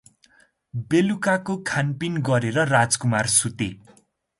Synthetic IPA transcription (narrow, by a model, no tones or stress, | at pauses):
belukakokʰanpinɡʌɾeɾʌrad͡zkumarsut̪e